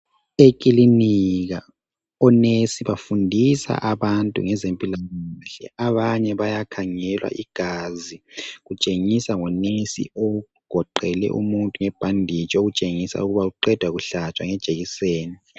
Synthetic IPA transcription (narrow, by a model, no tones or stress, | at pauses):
ekʼiliniɣa | ɔnesiβafundʱisa̰ʔaβantʼṵŋɛzempʼilaŋaɬɛ̰ʔaβaɲɛβajakʰaŋɛlwa̰ʔiɡ̥ʱaziɣut͡ʃʼeŋisaŋɔnesḭo | ɡ̥ʱɔǃɛlɛ̰ʔṵmuntʼuŋɛb̥ʱandʱit͡ʃʼoɣut͡ʃʼeŋisa̰uɣuβauǃɛd̥ʱwaɣuɬat͡ʃʼwaŋɛd̥ʒ̥ʱeɣiseːni